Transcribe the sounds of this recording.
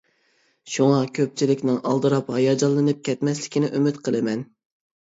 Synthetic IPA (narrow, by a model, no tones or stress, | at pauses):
ʃuŋɑkʲʰøp̚t͡ʃʰilɪkʲnɪŋʔɑlˠd̪ɨɾɑphɑjɑd͡ʒɑlˠːɨnɨp̚kʲʰɛt̪mɛslɪkʲʰinɪʔømɪt̪qʰəlˠɨmɛn